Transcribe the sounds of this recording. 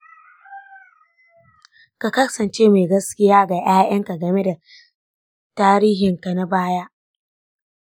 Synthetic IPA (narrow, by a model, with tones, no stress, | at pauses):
ka˨kɐ˦sɐ˨nt͡ʃeː˦ma˨ɡɐ˦skʲɪ˦jaː˦ɡa˨ʔj̰aː˦ʔɐ˦ŋka˨ɡɐ˨me˦da˨ | taː˦ɾiː˦ɦɪ˨ŋka˨na˦baː˦ja˦ʔ